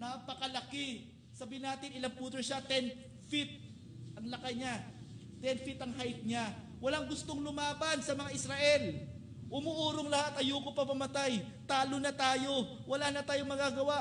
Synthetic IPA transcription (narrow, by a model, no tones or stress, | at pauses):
napɐkɐlɐkɪ | sɐbiːɪnaːt̪ɪnɪlaŋpuːt̪ɾoʃat̪ɛn | fɪt̪̚ | ɐŋlɐkajɲa | t̪ɛnfɪt̪ɐŋhajt̪̚ɲa | wɐlaŋɡʊst̪oŋlʊmaːbɐnsɐmɐŋaʔɪsɾaʔɛl | ʔʊmʊʔuːɾoŋlɐhat̪ʔɐjuːkopɐmɐmɐt̪aj | t̪aːlonɐt̪aːjo̞ | wɐlaːnɐt̪aːjo̞ŋmɐɡaːɡɐwa